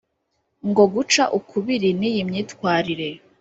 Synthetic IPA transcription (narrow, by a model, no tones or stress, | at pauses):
ŋɡo̞ɡut͡ʃaʔukʰuβiɾinijimɲiːtkwaːɾiɾe̞